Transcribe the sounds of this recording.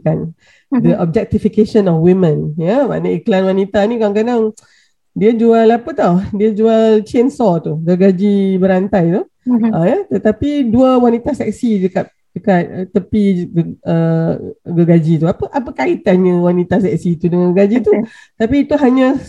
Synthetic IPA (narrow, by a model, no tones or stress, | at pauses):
kan | dəʔɔb̚d͡ʒɛk̚t̪ifikeʃənɔfwimə̃njəma̰nəiklanwanit̪anĩkalãŋkadaŋ | diəd͡ʒualapət̪ɔhdiəd͡ʒualt͡ʃensɔt̪uɡəɡad͡ʒibəɾant̪ajt̪u | əjət̪ət̪apiduəwanit̪asɛk̚sidəkat̪̚ | dəkat̪̚t̪ːəpiɡə | ɡəɡad͡ʒit̪uapəʔapəkait̪anɲəwanit̪asɛk̚sit̪udəŋãnɡəɡad͡ʒit̪ut̪apiːt̪uɦaɲə̃